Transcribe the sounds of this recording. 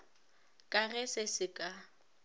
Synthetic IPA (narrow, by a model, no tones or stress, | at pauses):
kʼaɣɛsɪsɪkʼa